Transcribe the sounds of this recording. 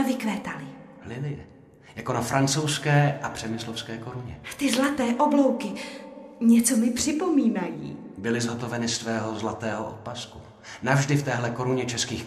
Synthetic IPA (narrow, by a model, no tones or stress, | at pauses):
vɪkvɛːt̪alɪ | lɪlɪjɛ | jakonafɾʔant͡sowskɛːʔapr̥ɛmɪslofskɛːko̞ɾuɲɛt̪ɪzlat̪ɛːʔoblo̞wkɪ | ɲɛt͡somɪpr̥ɪpo̞miːnajḭːbɪlɪzɦot̪o̞vɛnɪst̪vɛːɦo̞zlat̪ɛːɦoʔot̪̚pasku | navʒdɪft̪ɛːɦlɛko̞ɾuɲɛt͡ʃɛskiːx